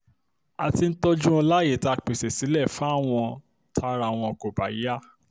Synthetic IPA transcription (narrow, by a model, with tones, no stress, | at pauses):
a˨ti˧n̩˦tɔ˦d͡ʒũ˦ɔ˧la˦je˦˨ta˧k͡pe˨se˨si˨˦lɛ˦˨fa˦˨w̃ɔ̃˧ | tʰa˧˦˧ɾa˧˨w̃ɔ̃˧ɔ˧˨ko˨ba̰˨i˨˦a˦